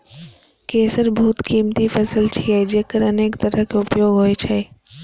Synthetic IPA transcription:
keːsəɾbʱuːt̪kiːmt̪ifɐsəlt͡ʃʰiad͡ʒeːkəɾɐneːkt̪əɾəkeʊpjoːɡɦoːet͡ʃʰe

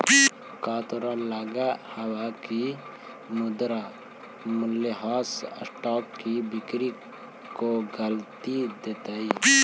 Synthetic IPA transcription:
kaːt̪uɾãlaːɡahɐwaki | mud̪ɾa | mʊlːeɦaːssʈɔːkːibikɾi | koɡəlt̪id̪eːt̪ai

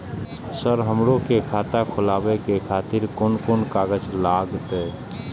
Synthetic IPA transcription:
səɾɦəmɾõkekʰaːt̪akʰʊlaːwekekʰaːt̪ɪɾkoːnkoːnkaːɡət͡ʃlaːɡt̪ɦeː

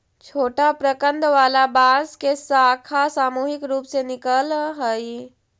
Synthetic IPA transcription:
t͡ʃʰoːʈapɾəkə̃nd̪ʋaːlabaːzkesaːkʰasaːmuːɦɪkɾuːpsenɪkəlɦəi

